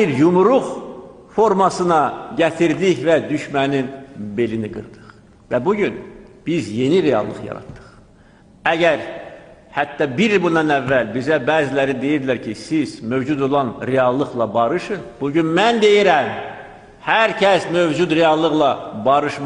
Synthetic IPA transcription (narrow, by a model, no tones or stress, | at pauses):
iɾjumuɾuχ | fo̞ɾmɑsɯnɑɟæt̪ʰiɾd̪içvæd̪yʃmæninbe̞liniɡɯ̰ɾd̪̥ɯ̥χ | væbuɟynb̥izje̞niɾe̞ɑ̰lˠːɯχjɑ̰ɾɑ̰t̪ːɯ̥χ | æɟæɾ | hæt̪ːɑbiɾbund̪ɑnævːælbizæbæːzilæɾid̪e̞jiɾd̪læɾcʰisizmø̞vd͡ʒud̪o̞lˠɑnɾeɑlˠːɯχlˠɑbɑɾɯʃɯb̥uɟynmænd̪e̞jiɾæm | hæɾcʰæsmøvd͡ʒud̪ɾeɑlˠːɯɣlˠɑbɑɾɯʃm